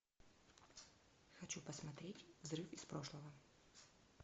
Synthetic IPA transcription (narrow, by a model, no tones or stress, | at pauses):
xat͡ɕupɐsmat̪ɾʲetʲvzɾɨfispɾoʂlˠɐvɐ